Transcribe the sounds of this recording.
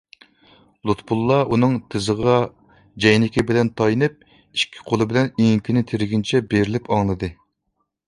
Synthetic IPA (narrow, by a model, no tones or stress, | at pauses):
lˠut̪bulˠːɑʔunɨŋt̪ʰɪzɨʁɑ | d͡ʒɛjnɪkʲibɪlɛnt̪ʰɑjnɨp̚ | iʃkʲʰːi̥qʰolˠɨbɪlɛniŋkʲʰinɪt̪ʰeɾɪɡʲint͡ʃʰɛbeɾɪlɪpʰɑŋlˠɨd̪ɨ